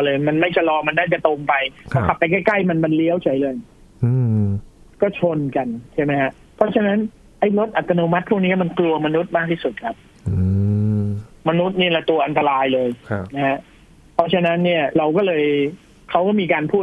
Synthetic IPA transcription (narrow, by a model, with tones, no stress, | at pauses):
lɤː˧jma˧nma˥˩jt͡ɕʰa˧lɔː˧ma˧nːaː˥˩t͡ɕa˨˩t̪o˧mpa˧jkɔ˥˩kʰa˨˩pːa˧jkaː˥˩jka˥˩jma˧nma˧nli˦˥əwt͡ɕʰa˨˦jlɤː˧j | kɔː˥˩t͡ɕʰo˧nka˧nt͡ɕʰa˥˩jma˦jha˦˥ʔ | pʰɾɔ˦˥t͡ɕʰa˧na˦˥n | ʔa˥˩jlo˦˥t̪̚ʔa˨˩t̪ːa˧noː˧ma˦˥t̪̚pʰu˥˩k̚niː˦˥˩ma˧nklu˧ɐma˧nu˦˥t̪̚maː˥˩k̚t̪ʰiː˥˩su˨˩kʰa˦˥p̚ | ɯ | ma˧nu˦˥t̪̚niː˥˩lɛ˨˩t̪u˧ɐʔa˧nt̪a˧ɾaː˧jlɤː˧jʰna˦˥ha˦˥ʔ | pʰɔ˦˥t͡ɕʰa˧na˦˥nːi˥˩ɐɾa˧wkɔː˥˩lɤː˧j | kʰa˦˥wkɔː˥˩miː˧kaː˧npʰuː˥˩